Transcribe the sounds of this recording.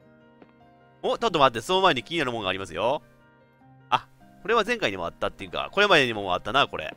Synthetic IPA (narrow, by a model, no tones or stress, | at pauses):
moːt̪ot̪ːomat̪̬ːesonomaeɲikʲiinanɯmõŋɡaːɾʲimasɨjo̞ | a | ko̞ɾe̞βazẽ̞ŋkaiɲ̟imoa̰t̪ːat̪ːe̞jɯ̟ːka̰ko̞ɾe̞mad̪e̞ɲ̟imo̞moa̰t̪ːanako̞ɾḛ